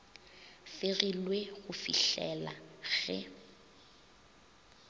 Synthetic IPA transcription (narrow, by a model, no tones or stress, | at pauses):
fɪɣilweɣʊfḭɬɛlaɣ̥ɛ̰